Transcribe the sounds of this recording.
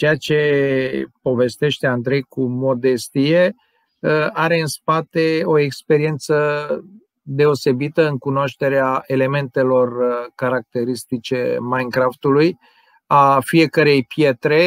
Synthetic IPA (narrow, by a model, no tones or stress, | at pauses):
t͡ʃejat͡ʃe̞ | po̞ve̞st̪e̞ʃt̪e̞and̪ɾe̞jkumo̞d̪e̞st̪ije̞ | aɾe̞ɨnspat̪e̞o̞ekspe̞ɾie̞nt̪sə | d̪e̞o̞se̞bit̪əɨŋkunooʃt̪e̞ɾeaʔe̞le̞me̞nt̪e̞lo̞rkaɾak̚t̪e̞ɾist̪it͡ʃe̞̰majnkɾaft̪uluj | afie̞kəɾe̞jpje̞t̪ɾe̞